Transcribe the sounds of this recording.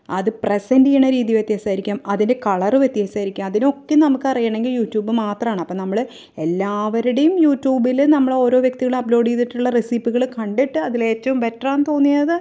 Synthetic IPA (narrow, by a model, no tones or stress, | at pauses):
ɐ̰ðɨpresɐndijɐɳɐɾiːðijuʋjt̪jaːsaːjiɾikʲːaːmɐðinde̞kɐɭɐrɨʋjet̪ːjaːsaːjɾikʲːaːmɐðino̞kːenɐmukːɨɐrijːaːɳe̞ŋɡiljuːtːjuːbɨmaːt̪rɐmaːɳɨɐpːoːnɐmːɐɭɨ | e̞lːaːʋɐɾuɽejumjuːtːjuːbilnɐmːɐɭo̞ːɾo̞ːʋjk̚t̪iɣɐɭɐplo̞ːɖijðiʈːuɭːɐrisiːpːiɣɐɭkɐɳɖiʈːɨɐðile̞ːtːɐʋumʋetraːnt̪o̞ːnːijɐðɨ